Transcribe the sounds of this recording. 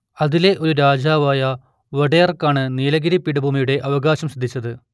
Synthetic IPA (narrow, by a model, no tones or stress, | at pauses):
ɐðile̞ʔo̞ɾuɾaːd͡ʑaːʋaːjɐ | ʋɐɽejɐrkːaːɳɨniːlɐɡiɾipːiɽɐbʱuːmijuɽe̞ʔɐʋɐɡaːɕɐmɕɐd̪ʱːit͡ɕːɐðɨ